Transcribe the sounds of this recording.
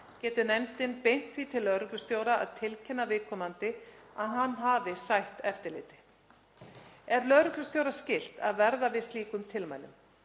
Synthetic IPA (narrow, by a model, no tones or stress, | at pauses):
cɛːt̪ʏnɛmt̪ɪnpejn̥t̪fiːt̪ʰɪlːœðɾʏklʏst̪joːwɾaa̰ðt̪ʰɪlcʰɛnːavɪðkʰɔːmant̪ɪaðɦanːɦaːvɪsajht̪ɛft̪ɪɾlɪ̰ːt̪ɪ̥ | ɛɾlœðɾʏklʏst̪jowɾascɪl̥t̪aðvɛɾðavɪst̪liːkʏmt̪ʰɪlma̰ːjlʏ̰m